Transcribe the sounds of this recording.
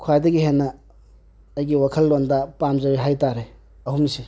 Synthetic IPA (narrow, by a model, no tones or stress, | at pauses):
kʰajdɐɡiɦenːɐː | jɡiwakʰɐlːondɐpamzɐɾiɦajtaɾe | ɐhumnisi